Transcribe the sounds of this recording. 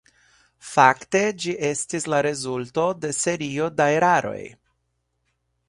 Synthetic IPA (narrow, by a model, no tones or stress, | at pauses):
fakte̞d͡ʒiʔe̞stislaɾe̞zulto̞de̞se̞ɾio̞daeɾaɾo̞̰j